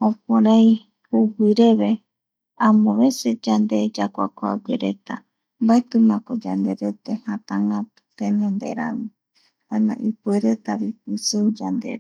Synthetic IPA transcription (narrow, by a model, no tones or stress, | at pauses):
õp̚oɾai | huwiɾeβe | amõβesed͡ʒand̪ed͡ʒakʷakoa̰ɡʷeɾet̪a̰ | mbaet̪ɨmãkod͡ʒand̪eɾet̪ehãt̪aŋɡat̪u̥t̪ẽnẽnd̪ḛɾa̰mi | anã̰ʔipueɾet̪aβipɨseud͡ʒand̪ḛɾe